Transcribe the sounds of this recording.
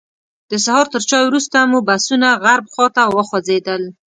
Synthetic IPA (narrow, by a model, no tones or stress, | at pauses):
d̪̥əsahɑɾt̪əɾt͡ʃɑjwɾust̪amubasunaɣaɾbxɑt̪awəxazed̪əl